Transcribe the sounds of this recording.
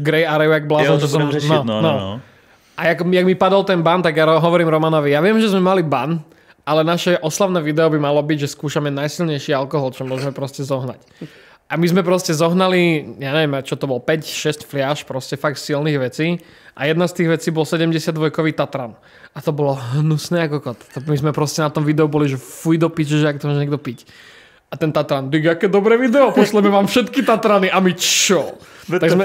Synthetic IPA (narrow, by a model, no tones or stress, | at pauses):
ɡɾɛjaɾɛɛɡblaːzaʒɛsɔmnɔnɔ | ʔajaɡmjaɡmipad̪ɔlt̪ɛnbant̪aɡjaɔɦɔʋɔɾiːmɾɔmanɔʋijaʋɪɛmʒɛzmɛmaliban | alɛnaʃɛʔɔslaʊnɛːʋid̪ɛɔbimalɔbiɟʒɛskuːʃamɛnajsilɲɛjʃiːalkɔɦɔlt͡ʃɔmʊɔʒɛmɛpɾɔscɛzɔɦna̰c | ʔamizmɛpɾɔscɛzɔɦnalijaɲɛʋɛmat͡ʃɔt̪ɔbɔlpɛcʃɛscflɪaːʃpɾɔscɛfakt̪silniːɣʋɛt͡siː | ʔa̰jɛd̪nast̪iːɣʋɛt͡siːbɔlsɛɟɛmɟɛsɪad̪ʋɔjkɔʋiːt̪at̪ɾaːn | at̪ɔbɔlɔɦnusnɛːakɔkɔt̪t̪ɔmizmɛpɾɔscɛnat̪ɔmʋid̪ɛubɔliʒɛfujd̪ɔpid͡ʑɛʒɛak̚t̪ɔmɔʒɲɛɡ̚d̪ɔpic | at̪ɛnt̪at̪ɾand̪iɡakɛːd̪ɔbɾɛːʋid̪ɛɔpɔslɛmɛʋaːmfʃɛt̪kit̪at̪ɾaniʔamit͡ʃɔt̪aɡzmɛ